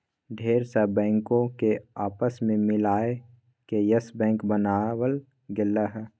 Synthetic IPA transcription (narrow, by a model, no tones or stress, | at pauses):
ɖʱeːɾsəbɛ̃ːŋkõkeaːpəsmẽmɪlaːe | kejəsbɛ̃ːŋkbənaːwəl | ɡɪlaɦɛː